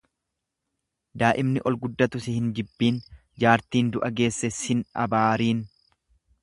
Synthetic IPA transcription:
d̪aːʔɪmnɪʔɔlɡʊd̪ːɐt̪ʊsɪhɪnd͡ʒɪbːiːn | d͡ʒaːɾt̪iːnd̪ʊʔɐɡe̞ːsːɛshɪnɐ̰baːɾiːn

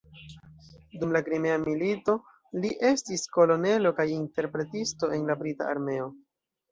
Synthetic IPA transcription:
dumlakɾime̞amilito̞ | liʔe̞stisko̞lo̞ne̞lokajinte̞ɾpɾe̞tisto̞ʔe̞nlabɾita̰a̰ɾme̞o̞

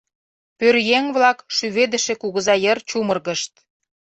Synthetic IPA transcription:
pørjeŋβlɑkʃyβed̪ə̆ʃĕkuɣəzɑjərt͡ɕumərɣə̆ʃt̪̚

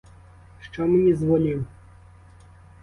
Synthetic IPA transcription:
ʂt͡ʂɔmɨnʲɛzvɔlʲim

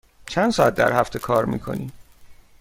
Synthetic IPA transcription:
t͡ʃʰænd̪sɒːæt̪̚d̪æ̰ɾhæft̪ʰe̞kʰɒːɾmḭːkʰo̞̰nḭːm

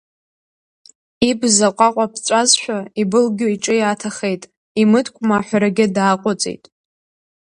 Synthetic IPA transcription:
ibzaqʷʼaqʷʼapʰt͡ʃʷʼazʃʷᶣaibɨlɡʲoiʈ͡ʂʼɨjatʰaχe̞jtʼ | imɨdkʷʰʼmaːħʷaɾaɡʲɪdaːqʷʼʊt͡sʼḛjtʼ

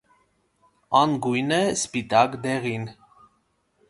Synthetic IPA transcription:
ɑnɡujnɛspit̪ɑkd̪ɛʁin

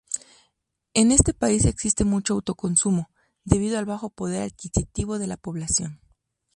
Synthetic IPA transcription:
e̞ne̞st̪e̞paise̞ksist̪e̞mut͡ʃo̞awt̪o̞ko̞nsumo̞ | ðe̞β̞ið̞oalβaxo̞po̞ðe̞ɾaðkisit̪iβo̞ðe̞lapo̞βlasjo̞n

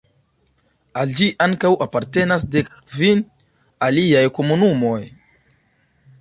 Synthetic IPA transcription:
ald͡ʒiʔaŋkawʔapaɾte̞nasde̞k | vin | aliajko̞munumo̞j

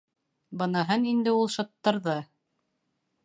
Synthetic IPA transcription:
bɤ̆nɑɦɤnind̪ɘulˠʃɑt̪ːɑɾðɤ

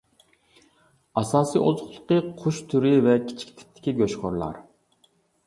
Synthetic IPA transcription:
ɑsɑːsḭːʔozʊχlˠʊ̥̆qiqʰʊʃt̪ʰyɾivɛkʲʰi̥t͡ʃʰi̥k̚ʲt̪ʰɪ̥t̪ʰːɪ̥kʲʰiɡʲøʃχoɾlˠɑ̰ɾ

